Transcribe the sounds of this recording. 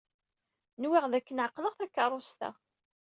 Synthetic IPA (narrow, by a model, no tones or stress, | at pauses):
nwiʁðækːənʕɑqːləʁθækːərˤːʊst̪ə̰ʁ